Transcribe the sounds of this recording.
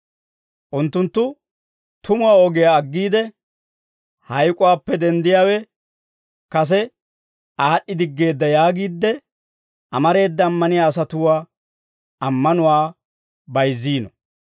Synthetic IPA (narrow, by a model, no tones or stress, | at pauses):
ʔʊnt̪ːʊnt̪ːʊ | t̪ʊmʊwaːɔɡɛjaɐɡːiːd̪ɛ | hɐjkʼʊwaːpːɛd̪ɛnd̪ɪjaːwɛ | kɐs̬ɛ | ʔaːɗːɪd̪ɪɡːe̞ːd̪ːɐjaːɡiːd̪ːɛ | ʔɐmɐɾe̞ːd̪ːɐːmːɐnɪjaːsɐt̪ʊwaː | ɐmːɐnʊwaː | bɐjzːiːnɔ